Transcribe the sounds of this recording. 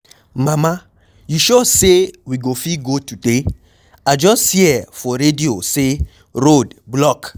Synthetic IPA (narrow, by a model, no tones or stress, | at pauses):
mãmã | juʃosewiɡofiɡotude | ad͡ʒɔsthiɛfɔɾediose | ɾodblɔk